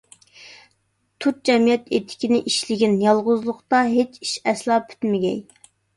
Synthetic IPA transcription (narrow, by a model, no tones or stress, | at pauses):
t̪ʰut̪̚d͡ʒɛmijɛt̪et̪ʰɪ̥kʲinɪʔiʃlɪɡʲinjɑlˠʁʊzlˠʊqt̪ɑɦet͡ʃi̥ʃɛslˠɑːpʰy̥t̪mɪɡʲɛ̰j